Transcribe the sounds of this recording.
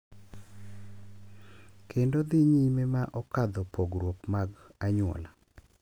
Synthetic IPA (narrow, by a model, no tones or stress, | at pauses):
kʰendod̪iɲimemaʔɔkad̪ɔpoɡɾwokmaɡaɲʊɔ̰la